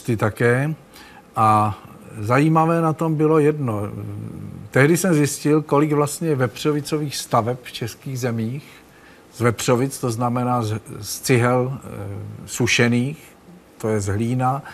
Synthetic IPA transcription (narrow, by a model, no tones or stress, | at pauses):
t̪ɪt̪akɛː | ʔa | zajiːmavɛːnat̪o̞mbɪlo̞jɛdno̞ | t̪ɛɦdɪsɛmzjɪscɪlko̞lɪɡvlast̪ɲɛvɛpr̝̥o̞vɪt͡so̞viːxst̪avɛpft͡ʃɛskiːɣzɛmiːx | zvɛpr̝̥o̞vɪt͡st̪o̞znamɛnaːzst͡sɪɦɛl | suʃɛniːx | t̪o̞jɛzɦliːna